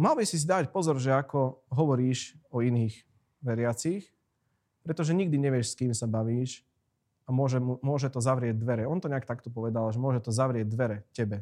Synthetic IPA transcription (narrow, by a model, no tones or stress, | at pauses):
malˠbisis̬id̪aːcpɔzɔɾʒɛakɔɦɔʋɔɾiːʃɔiniːx | ʋɛɾɪat͡six | pɾɛt̪ɔʒɛɲiɡ̚d̪iɲɛʋɪɛʃskiːmsabaʋiːʃ | amʊɔʒɛmumʊɔʒɛt̪ɔzaʋɾɪɛɟ̚d̪ʋɛɾɛɔnt̪ɔɲɛakt̪akt̪ɔpɔʋɛd̪alʒɛmʊɔʒɛt̪ɔzaʋɾɪɛɟ̚d̪ʋɛɾɛcɛbɛ